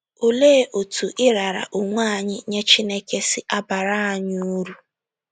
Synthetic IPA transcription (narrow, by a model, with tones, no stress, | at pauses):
o˦le˦ʔo˨tu˨ʔɪ˦ɾa˨ɾa̰˨ʔʊ˨ŋʷa˦a˦˨ɲɪ˦ɲe˦t͡ʃi˦ne˦ke˦sɪ˦ʔa˦ba˨ɾa˦a˨ɲ˦u˦ɾu˦